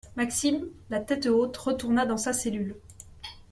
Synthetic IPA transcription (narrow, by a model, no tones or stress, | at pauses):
maksimlat̪ɛt̪ot̪ʁət̪uʁnad̪ɑ̃saselyl